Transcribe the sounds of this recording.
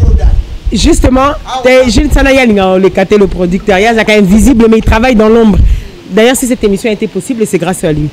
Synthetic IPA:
ʒyst̪əmɑ̃ɛʒinsanajaliŋɡaɔ̃lekat̪eləpχɔd̪yk̚t̪œʁjasakɑ̃mɛmvizibləmɛilt̪χavajd̪ɑ̃lɔ̃bʁ | d̪ajœʁsis̬ɛt̪emisjɔ̃aet̪epɔsiblesɛɡʁasalɥi

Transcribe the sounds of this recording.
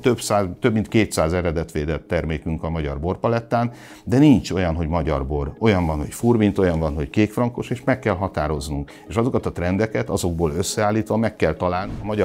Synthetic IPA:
t̪øbsaːzt̪øbmint̪keːt̪saːzɛɾɛd̪ɛt̪ʋeːd̪ɛt̪ːɛrmeːkyŋkɒmɒɟɒ̰rbo̞rpɒlɛt̪ːaːn | d̪ɛniɲt͡ʃo̞jɒnɦo̞ɟmɒɟɒ̰rbo̞ro̞jɒɱvɒnho̞̰cfurmint̪o̞jɒɱvɒnɦo̞ckeːkfrɒŋko̞ʃeːʃmɛkːɛlɦɒt̪aːɾo̞znuŋk | eːʃɒzo̞kɒt̪ɒt̪rɛnd̪ɛkɛt̪ɒzo̞ɡ̚boːløsːɛaːlːiːt̪ʋɒmɛkːɛlt̪ɒlaːlnɒmɒɟɒ

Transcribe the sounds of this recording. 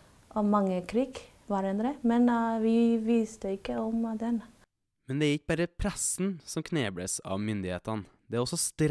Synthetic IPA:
ʔɔmɑŋːəkʰɾiːɡ | ʋɑɾɛnd̪ɾəmɛnʋɪʋiːst̪əɪkːəɔmd̪ɛn | mɛnd̪ɛæɾɪkːəbæɾəpʰɾɛsnsɔmkʰneːbɽə̰sɑ̰ʋmʏnd̪ɪhḛːt̪ɑn | d̪ɛæːɾɔsːɔst̪ɾ

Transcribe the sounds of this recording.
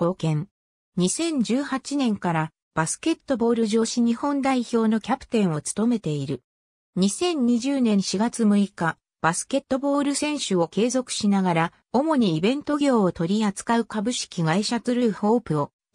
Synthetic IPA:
ko̞ːkẽ̞ŋ | ɲ̟isẽ̞ɲ̟d͡ʑɨːhat͡ɕinẽ̞ŋkaɾa | b̥asɨ̥ke̞t̪ːo̞bo̞ːɾɯʑo̞ːɕiɲ̟ihõ̞nd̪aiço̞ːno̞kʲapɯ̟̥t̪ẽ̞ɰ̃o̞t͡sɨ̥t̪o̞me̞t̪e̞iɾɯ̟ | ɲ̟isẽ̞ɲ̟ɲiʑɨːnẽ̞ɰ̃ɕiɡat͡sɨmɯ̟ika | b̥asɨ̥ke̞t̪ːo̞bo̞ːɾɯ̟sẽ̞ɰ̃ɕɨo̞ke̞ːzo̞kɯ̟̥ɕinaɡaɾa | o̞mo̞ɲ̟iːbẽ̞nt̪o̞ɡʲo̞ːt̪o̞ɾʲiat͡sɨ̥kaɯ̟kabɯ̟ɕi̥kʲiɡaiɕat͡sɨɾɯɯho̞ːpɯ̟o

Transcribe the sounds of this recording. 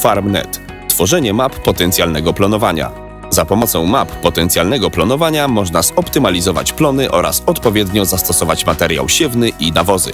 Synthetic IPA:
faɾmnɛ̰t̪ | t̪ːfɔʐɛɲɛmapːɔt̪ɛnt̪sʲjalnɛɡɔplɔnɔvaɲa̰ | zapɔmɔt̪sɔ̃w̃mapːɔt̪ɛnt̪sʲjalnɛɡɔplɔnɔvaɲamɔʐnazɔpt̪ɘmalʲizɔva̰t͡ɕplɔnɘʔɔɾa̰sɔt̪pɔvʲjɛd̪ɲɔzast̪ɔsɔvat͡ɕmat̪ɛɾja̰wɕɛvnɘʔinavɔzɘ̰

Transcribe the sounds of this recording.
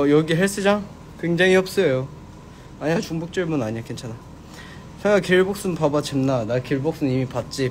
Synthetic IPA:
jʌɡiɦeɭs͈ɯd͡ʑa | kweŋd͡ʑaŋiʌp̚s͈ʌjo | aɲat͡ɕuŋbok̚t͡ɕ͈ɯɭmunaɲiakent͡ɕʰana | sʰaɡakiɭbok̚s͈ɯnpabat͡ɕemnanakiɭbok̚s͈ɯnimipat̚t͡ɕ͈i

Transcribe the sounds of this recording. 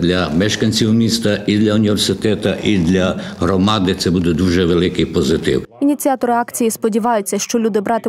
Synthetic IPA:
d̪lʲɐmɛʃkɐnʲt͡sʲiwmʲist̪ɐʔid̪lʲɐunʲiʋersɪt̪ɛt̪ɐʔid̪lʲɐɦɾɔmɑd̪ɪt̪sɛbud̪ɛd̪uʒɛʋelˠɪkɪjpɔzɪt̪ɪ̰winʲit͡sʲiat̪ɔɾɪɑkt͡sʲijispɔdʲiʋɑjʊt͡sʲːɐʃt͡ʃɔlʲud̪ɪbɾɑt̪ɪ

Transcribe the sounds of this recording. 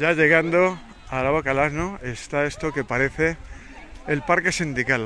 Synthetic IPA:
jaʎe̞ɣ̞and̪o | alawakalaznoe̞st̪ae̞st̪oke̞paɾe̞θe̞ː | lpaɾke̞sind̪ikal

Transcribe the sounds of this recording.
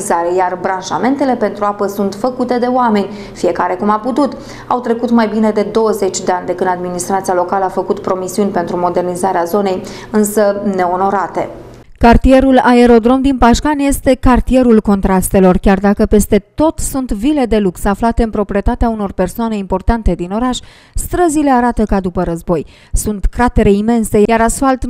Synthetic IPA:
zaɾe̞jarbɾanʒa̰me̞nt̪e̞le̞pe̞nt̪ɾuapəsunt̪fəkut̪e̞d̪e̞oame̞nʲ | fije̞kaɾe̞kumaput̪ut̪ | awt̪ɾe̞kut̪majbine̞d̪e̞d̪o̞wəze̞t͡ʃʲd̪eanʲd̪e̞kɨnd̪ad̪minist̪ɾat̪sijalo̞kaləafəkut̪pɾo̞misiunʲpe̞nt̪ɾumo̞d̪e̞rnizaɾeazo̞ne̞jɨnsəne̞o̞no̞ɾat̪e̞̰ | kart̪ie̞ɾulae̞ɾo̞d̪ɾo̞md̪inpaʃkanje̞st̪e̞kart̪ie̞ɾulko̞nt̪ɾast̪e̞lo̞rkʲard̪akəpe̞st̪e̞t̪o̞t̪sunt̪vile̞d̪e̞luksaflat̪e̞ɨnpɾo̞pɾie̞t̪at̪eauno̞rpe̞rsoane̞impo̞rt̪ant̪e̞d̪ino̞ɾaʃʲ | st̪ɾəzile̞aɾat̪əkad̪upəɾəzbo̞j | sunt̪kɾat̪e̞ɾe̞ime̞nse̞jaɾasfalt̪

